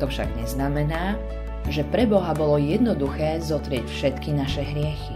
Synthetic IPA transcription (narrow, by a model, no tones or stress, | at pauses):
t̪ɔfʃa̰ɡɲɛznamɛnaː | ʒɛpɾɛbɔɦabɔlɔjɛd̪nɔd̪uxɛːzɔt̪ɾɪɛcfʃɛt̪kinaʃɛɦɾɪɛxi